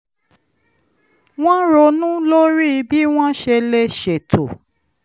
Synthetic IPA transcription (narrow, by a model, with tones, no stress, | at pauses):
w̃ɔ̃˦ɾo˧nũ˦lo˦ɾi˦˧bi˦w̃ɔ̃˦ʃe˧le˧ʃe˨to̰˨